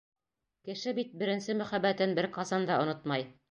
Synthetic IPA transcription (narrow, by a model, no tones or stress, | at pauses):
kɘ̆ʃɘbit̪̚bɘ̆ɾɘ̆nsɘmæ̆χæbːæt̪ɘnbɘɾqɑsɑnd̪ɑŏnot̪mɑj